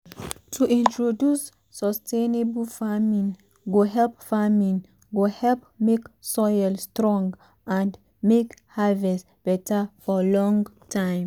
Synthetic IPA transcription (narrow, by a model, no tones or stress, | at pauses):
tʰuʔĩntɹodusː | ɔstʰenebəlfamĩn | ɡoɦɛlpfamĩn | ɡohɛlpmeksɔjɛlstɹɔ̃ŋɡ | ʔãnd | mekhavɛst | b̥ɛtafɔlɔ̃ŋɡtʰãɪ̃m